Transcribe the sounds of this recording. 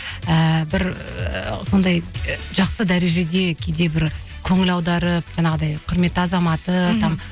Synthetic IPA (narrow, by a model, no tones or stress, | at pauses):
əbɪɾ | so̞nd̪ɑjʒɑqsəd̪æɾe̞ʒe̞d̪e̞kʲʰe̞d̪e̞bɪɾ | kʲʰɵŋɪlɑwd̪ɑɾəp̚ʒɑɴɑʁəd̪ɑjqʰʊɾme̞t̪ːɪɑzɑmɑt̪ət̪ʰɑm